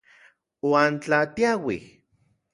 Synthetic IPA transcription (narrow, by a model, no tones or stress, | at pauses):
waːnt͡ɬat̪iawih